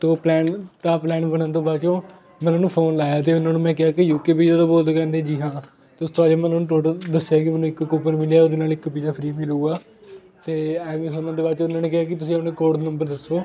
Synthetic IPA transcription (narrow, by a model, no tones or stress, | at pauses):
t̪ːplɛːnt̪aːplɛːnbəɳə̃nt̪õːbaːt͡ʃõː | mɛ̃ːnãːnũːpʰoːnlaːjaːt̪̬eːʊnːãːnũːmɛ̃ːkɪaːkɪjuːkeːpiːd͡ʒaːt̪aːboːld̪kɛ̃ːnd̪eːd͡ʒiːɦãː | t̪eːʊst̪ʰoːaːd͡ʒeːmɛ̃ːnaːnũːʈoːʈəd̪əsːjaːkɪmɛ̃nũːɪkːkoːpəɾmɪljaːoːd̪eːnaːlɪkpiːd͡ʒaːpʰɾiːbiːləuːɡaː | t̪eːɛːʋĩːsʊnãːd̪eːbaːt͡ʃõːʊnːaːneːkɪɦaːkɪt̪ʊsĩːəpnẽːkoːɽnəmbəɾd̪əsːoː